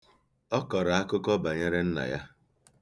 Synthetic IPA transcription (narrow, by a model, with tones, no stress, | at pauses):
ɔ˦kɔ˨ɾa˨a˦kʊ˦kɔ˦ba˨ɲe˦ɾe˦n̩˦na̰˨ja˦